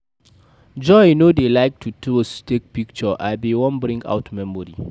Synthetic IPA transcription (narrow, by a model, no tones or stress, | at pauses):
d͡ʒɔjnoːdelaɪk̚tʰutustek̚pɪk̚t͡ʃɔʔabewɐmbɾɪ̃ŋka̰wtmɛmɔɾḭ